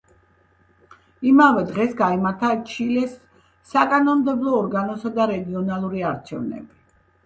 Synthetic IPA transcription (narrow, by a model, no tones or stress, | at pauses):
imavɛd̪ʁɛsɡaimaɾt̪ʰat͡ʃʰilɛsː | akʼanɔmd̪ɛblˠɔːɾɡanɔsad̪aɾɛɡiɔnalˠuɾiaɾt͡ʃʰɛ̰vnɛ̰bi